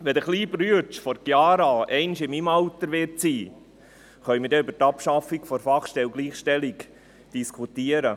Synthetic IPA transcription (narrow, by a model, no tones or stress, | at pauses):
ʋɛd̪əχliːbɾyət͡ʃfɔɾkjɑːɾɑɛɪnʃɪmimɑwt̪əɾʋɪrt̚t͡siː | χœʏmɪɾdɛʏbəɾtɑpʃɑfikfɔɾfɑχʃtɛwɡliːχʃtɛlɪk | d̥iskʰut̪iəɾə